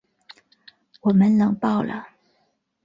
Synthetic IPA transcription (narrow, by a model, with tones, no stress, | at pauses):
wɔ˨˩mə˦nnɤ˧˥ŋpɑ˥˩ʊlə̰˨˩